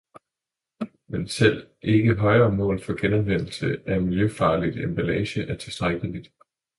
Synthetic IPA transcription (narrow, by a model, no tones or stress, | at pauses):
mensel̰ʔe̝ɡ̥əɦɒ̽ɪɐːmɔ̰̽ːlfɒ̽ɡ̥enɒ̽nʋen̰l̩səæɐmiljøfɑ̈ːlid̥emb̥ælɛːɕəʔæɐt͡sʰe̝lsd̥ʁaɡ̥əlid̥